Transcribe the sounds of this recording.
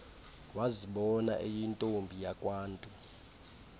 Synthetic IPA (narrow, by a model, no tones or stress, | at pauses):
waziɓɔna̰ʔejintʼombʱijakʼwaːntʼu